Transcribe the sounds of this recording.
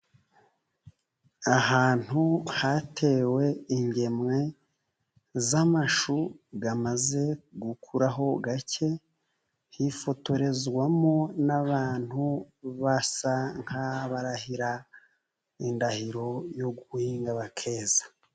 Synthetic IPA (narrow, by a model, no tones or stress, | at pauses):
aɦaːn̥huhatʰe̞ːwe̞iɲɟe̞mŋe̞ | zamaʃuɡamaze̞ɡukʰuɾaɦo̞ɡace̞ | hifo̞to̞ɾe̞zɡwamo̞naβaːn̥hu | βasaŋ̥haβaɾahiɾa | indahiɾo̞jo̞ɡuhiːŋɡaβakʰe̞ːzḁ